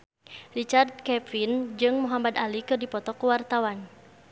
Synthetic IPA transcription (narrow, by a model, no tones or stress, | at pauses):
rit͡ʃard̪̚kɛfind͡ʒɨŋmuɦamad̪alikɨrdipɔt̪ɔkuwart̪awan